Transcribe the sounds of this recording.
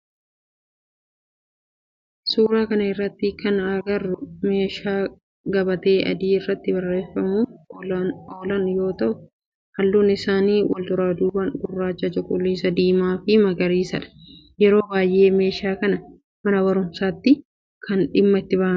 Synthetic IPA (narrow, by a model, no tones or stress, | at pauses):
suːɾaːkɐnɐɪrːɐt̪ːɪkɐnɐɡɐrːʊme̞ːʃaː | ɡɐbɐt̪e̞ːʔɐ̰d̪iːɪrːɐt̪ːɪbɐrːe̞ːfɐmuːf | oːlɐnjo̞ːt̪ɐʔʊ | hɐlːuːnɪsaːniːwɐ̰lt̪ʊɾaːd̪uːbɐnɡʊrːaːt͡ʃːɐt͡ʃɐkʼʊlːiːsɐd̪iːmaːfɪmɐɡɐɾiːsɐᶑɐ̥ | jɛɾo̞ːbaːjʔe̞ːme̞ːʃaːkɐnɐ | mɐnɐbɐɾʊmsaːt̪ːɪ | kʰɐnᶑɪmːɐɪt̪ːɪbaːɐ